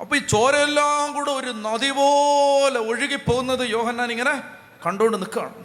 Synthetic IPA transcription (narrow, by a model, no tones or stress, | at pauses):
ɐpːɐt͡ɕoːɾɐelːaːmɡuːɽeoɾunɐðiʋoːleoɻiɣipːoːɣunːɐðɨjo̞ːhɐnːaːniŋːɐne | kɐɳɖuoɳɖɨnikːɨa̰ːɳu